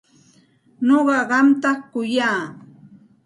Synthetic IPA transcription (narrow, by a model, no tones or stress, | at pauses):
noɢɑɢɑmt̪ɑχkʊjaː